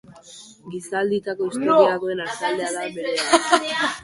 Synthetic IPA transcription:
ɡisald̪it̪ako̞ist̪oɾiaɣo̞e̞nasald̪e̞aðabe̞ɾe

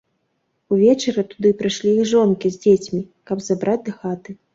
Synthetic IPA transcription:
uvʲɛt͡ʂɐɾɐt̪ud̪ɨpɾɨjʂlʲijixʐɔnkʲizʲd͡zʲet͡sʲmʲi | kɐbzabɾʔad͡zʲd̪ɐxat̪ɨ

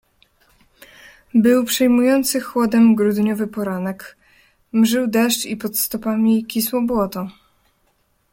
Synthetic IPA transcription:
bɘwpʂɛjmujɔnt̪sɘxwɔd̪ɛmɡɾud̪ɲɔvɘpɔɾanɛk | mʐɘwd̪ɛʂt͡ʂipɔt̪st̪ɔpamʲikʲiswɔbwɔt̪ɔ

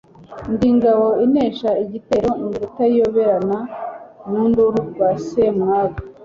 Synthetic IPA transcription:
ndiŋɡaβo̞ineːʃaiɟite̞ɾo̞iŋɡutaijoβeɾananunduɾuɡwasemŋaːɡo

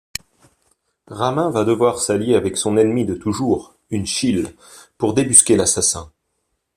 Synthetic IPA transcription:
ʁamɛ̃vad̪əvwaʁsaljeavɛksɔ̃nɛnmid̪ət̪uʒuːʁ | ynʃil | puʁd̪ebyskʲelasasɛ̰̃

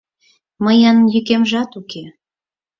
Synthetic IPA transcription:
məjɑnjykemʒɑt̪uke

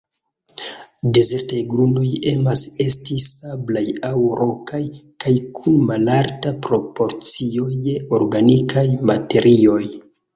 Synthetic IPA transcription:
de̞ze̞ɾtajɡɾuno̞je̞mase̞stisablajawɾʔo̞kʰajkajkʰunmalaɾtapɾo̞po̞ɾt͡sio̞joɾɡanikʰajmate̞ɾʔio̞j

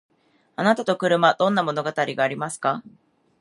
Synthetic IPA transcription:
anat̪at̪o̞kɯ̟ɾɯ̟mad̪̥õ̞nːamo̞no̞ɡat̪aɾʲiɡaːɾʲimasɨ̥ka

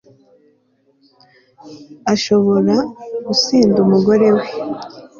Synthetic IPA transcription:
aʃo̞βo̞ɾaɡusiːndumuɡo̞ɾe̞we

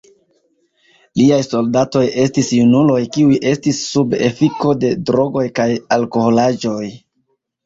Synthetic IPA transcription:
liajso̞ldato̞jʔe̞stisjunulo̞jkiujʔe̞stisːube̞̰fiko̞de̞dɾo̞ɡo̞jkajalko̞ho̞lad͡ʒo̞j

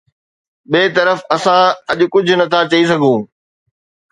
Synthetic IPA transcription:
ɓeːt̪ɐɾəfɐsãɐʄʊ̆kʊd͡ʑʱʊnɐt̪ʰat͡ɕɐisɐɡʱũ

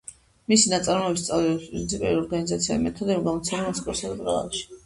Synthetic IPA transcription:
misinat̪sʼaɾmɔɛbist̪sʼavlɛaspʼɾinsʰipʼɛ̰liɔɾɡanizat̪sʰiaimɛt̪ʰɔd̪ɛɡamɔt̪sʰɛlɛmasʰikʼɔɾsad̪ɛbɾa̰la̰ʃi̥

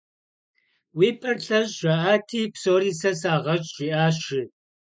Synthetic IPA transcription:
wiːpʰɐrɬɐʑʼʒʷɐʔaːtʰiːpsoːɾiːsɐsaːʁɐt͡ʃʼʒiːʔaːɕɪ

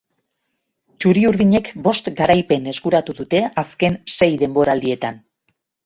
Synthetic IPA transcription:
t͡ʃuɾiuɾðiɲe̞kbo̞st̪ɡaɾajpe̞ne̞skuɾat̪uðut̪e̞aske̞nse̞jðe̞mbo̞ɾaːld̪ie̞t̪an

